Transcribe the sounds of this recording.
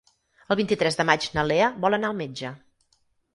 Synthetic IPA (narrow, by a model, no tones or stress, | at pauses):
əlˠβint̪it̪ɾɛzðəmad͡ʒnəleəβɔlˠənaəlˠmed͡ʒə